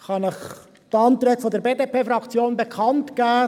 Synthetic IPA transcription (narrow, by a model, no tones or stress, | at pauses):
χɑnɪχ | tɑntɾɛtfodɛɾbeːdepeːfɾɑkt͡sjoːnbekʰɑntɡ̥æː